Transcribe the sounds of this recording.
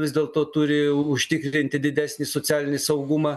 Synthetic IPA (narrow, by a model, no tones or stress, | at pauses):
ʋʲɪzd̪ʲeːlˠt̪oːt̪ʊɾʲɪʊʃʲt̪ʲɪkɾʲɪnʲt̪ʲɪd̪ʲɪd̪ʲæːsʲnʲiːsot͡s̪sʲæːlʲɪnʲɪsɐʊɡʊmɑː